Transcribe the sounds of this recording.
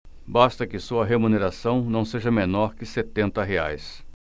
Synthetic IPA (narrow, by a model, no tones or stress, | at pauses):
bast̪ɐkɪsuɐɦemuneɾasɐ̃w̃nɐ̃w̃seʒɐmẽnɔɾkɪset̪ẽnt̪ɐɦea̰js